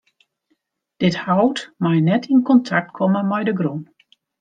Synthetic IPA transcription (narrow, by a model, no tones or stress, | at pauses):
d̥ɪthawtmajnɛtʰinkɔntʰak̚tkʰɔməmɛjdəɡrun